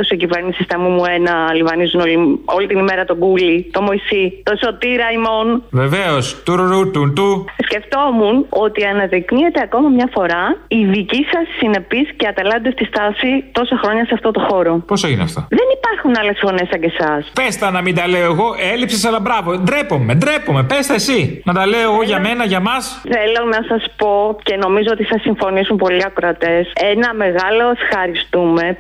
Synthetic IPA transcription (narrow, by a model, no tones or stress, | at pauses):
osicive̞ɾnisist̪ɐmumue̞nɐlivɐnizuno̞lio̞lit̪inime̞ɾɐt̪o̞ɡulit̪o̞mo̞isit̪oso̞t̪iɾɐimo̞nveveost̪uɾoɾut̪unt̪usce̞ft̪o̞muno̞t̪iɐnɐðiknie̞t̪e̞ɐko̞mɐmɲɐfo̞ɾɐiðicisɐsːine̞pisceɐt̪elɐnd̪est̪ist̪ɐsit̪o̞sɐxɾo̞ɲɐseɐft̪o̞t̪o̞xo̞ɾo̞po̞soineɐ̰ft̪oðe̞nipɐɾxunɐle̞sfo̞ne̞sɐɟesɐspest̪ɐnɐmind̪ɐleoeɣo̞ʔelipsesɐlɐbɾɐvo̞d̪ɾepo̞me̞d̪ɾepome̞pest̪ɐesinɐd̪ɐle̞oeɣo̞ʝɐme̞nɐʝɐmɐs | θelo̞nɐsɐspo̞ce̞no̞mizoot̪iθɐsiɱfo̞nisumpo̞liɐkɾɐt̪e̞se̞nɐme̞ɣɐlo̞esxɐɾist̪ume̞